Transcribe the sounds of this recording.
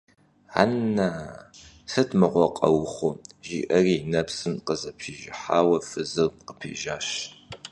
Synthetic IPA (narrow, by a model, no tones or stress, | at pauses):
ʕa̰nːa | sɨtʰmɨqʷɔqʼɐwχʷʊʒḭːʔɐrinɐpsɨmqəzɐpʰiːʒɪħaːwɐfɨzɨrqəpʰḭːʒaːʃ